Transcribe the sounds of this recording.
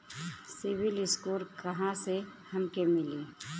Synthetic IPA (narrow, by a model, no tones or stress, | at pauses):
sɪʋɪlɪskuːɾkɐɦãsehɐmkemɪliː